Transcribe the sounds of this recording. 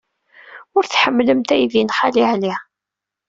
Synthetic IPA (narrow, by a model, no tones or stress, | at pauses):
ʊɾθħəmːləmt̪æjðinχaliʕli